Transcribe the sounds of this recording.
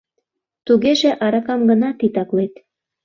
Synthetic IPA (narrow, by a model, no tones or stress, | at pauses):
t̪uɣeʒĕʔɑɾɑkɑmɡə̆nɑt̪it̪ɑklet̪